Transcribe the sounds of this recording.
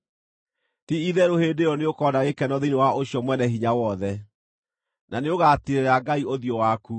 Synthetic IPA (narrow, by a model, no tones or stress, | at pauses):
tiiðɛɾohedeɾɔneokɔdaɣekɛnɔðinewaʔoɕjɔmwɛnɛɦiɲawɔðɛ | naneoɣaːteɾeɾaɡaioðjɔwaku